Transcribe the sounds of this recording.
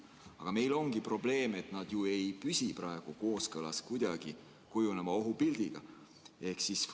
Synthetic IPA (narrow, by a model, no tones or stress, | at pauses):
ɑ̰ɡ̥ɑme̞jlo̞ŋɡipro̞ble̞ːme̞t̪ˑnɑd̪̥jue̞jpysʲiprɑe̞ɡ̥uko̞ːskɤlɑ̰skujd̪̥ɑɡ̥i | kujunemɑo̞ɦupild̪̥iɡ̥ɑ | e̞hksis